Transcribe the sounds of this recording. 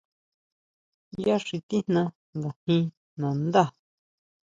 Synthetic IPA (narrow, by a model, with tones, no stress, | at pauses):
ja˦ʂi˧t̪i˦nnã˧ | ŋɡa˨hĩ˧ | nã˨nd̪a˦˨